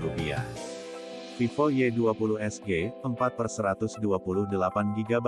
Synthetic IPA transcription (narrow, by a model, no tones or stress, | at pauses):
upia̰ | fifojeduapulʊhɛsɡeəmpat̪̚pərsəɾat̪ʊsduapulʊhdəlapanɡiɡaba